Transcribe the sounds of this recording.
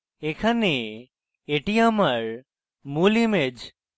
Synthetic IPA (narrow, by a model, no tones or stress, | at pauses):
ekʰɐne | eʈijaməɾ | mulimed͡ʒ